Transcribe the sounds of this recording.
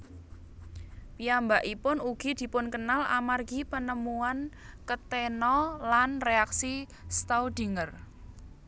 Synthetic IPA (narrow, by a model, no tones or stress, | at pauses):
piambaʔipʊnuɡ̥i̤d̪̥i̤pʊnkənalʔa̰marɡ̥ipənəmuan | kət̪enɔlanreaksi | st̪awd̪̥i̤ŋər